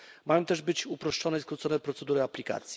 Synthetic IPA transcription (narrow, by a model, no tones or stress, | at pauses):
majɔ̃w̃t̪ɛʐbɘt͡ɕupɾɔʂt͡ʂɔnɛskɾut̪sɔnɛpɾɔt̪sɛd̪uɾɘaplʲika̰t̪sʲji